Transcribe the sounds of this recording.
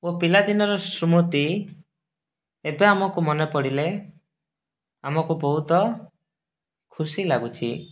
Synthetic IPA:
opilad̪inɔɾɔsɾumut̪i | ebeamɔkumɔnepɔɽile | amɔkubɔɦut̪ɔ | kʰusilaɡut͡ʃʰḭ

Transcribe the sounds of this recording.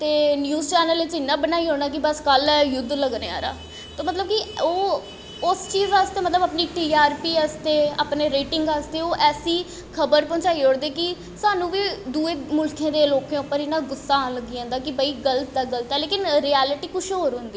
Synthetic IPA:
t̪eːnjuːzt͡ʃɛːnəlet͡ʃɪnːãːbənaːiːɦoːɽ̃aːkɪbəskəljʊd̪ːləɡɾḛːa̰ːɾa̰ː | t̪oːmət̪ləb̚kioː | ʊst͡ʃiːzʋaːst̪eːmət̪ləbaːpniːʈiːaːɾpiːəst̪eːa̰ːpneːɾeːʈɪŋɡaːst̪eːoːʔɛːsiː | kʰəbəɾpɔ̃ːt͡ʃaːiːɦoːɽd̪eːkɪ | saːnũːʋiːd̪uːeːmʊlkʰãːd̪eːloːkẽːʊpːəɾɪnãːɡʊsːaːləɡːiãːnd̪aːkɪbəiːɡəlt̪d̪aːɡəlt̪ɛːleːkɪnɾiːɛːlɪʈiːkʊʃɦoːɾɦʊ̃nd̪iː

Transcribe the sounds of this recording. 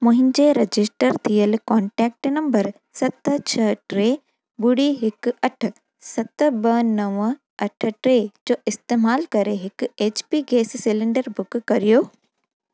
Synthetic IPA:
mʊ̃ɦɪ̃ɲd͡ʑeɾɐd͡ʑɪsʈəɾt̪ʰijəlkɔːɳʈɛːk̚ʈnɐ̃mbəɾ | sɐt̪t͡ɕʰɐʈɾeː | bʊɽiɦɪkɐʈ̆ʰ | sɐt̪bɐnɐʋ | ɐʈʰʈɾed͡ʑoːɪst̪eːmaːlkɐɾeɦɪkʊeːt͡ɕpiːɡeːssɪlɪ̃ɳɖəɾbʊkkɐɾijoː

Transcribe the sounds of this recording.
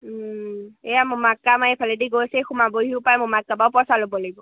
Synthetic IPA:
ejamʊmakːamaepʰalediɡojsexʊmaboɦiʊpajɛmʊmakːabaʊpɔsalobɔlaɡibɔ

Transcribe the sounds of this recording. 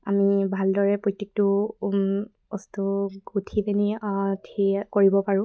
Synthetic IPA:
amibʱaldɔɹɛpɹɔjtːek̚tʊ | ɔstuɡutʰipɛnitʰikoɹibɔpaɹʊ̃

